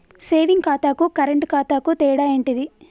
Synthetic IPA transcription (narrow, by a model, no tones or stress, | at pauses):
seːʋiŋɡkaːt̪aːkukɐɾeɳʈkaːt̪aːkut̪ɛːɽaːeːɳʈid̪i